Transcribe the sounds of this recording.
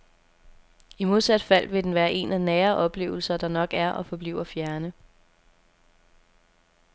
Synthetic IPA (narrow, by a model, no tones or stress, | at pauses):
imo̝ð̞ˠsæd̥fæl̰ʋe̝d̥enʋæːɐʔe̝̰nænæːɐʔɒ̽b̥le̝̰ːʊl̩sɐd̥ɑ̈nɒ̽ɡ̥æɐʔɒ̽fɒ̽b̥lḭʊ̰ɐfjæɐnə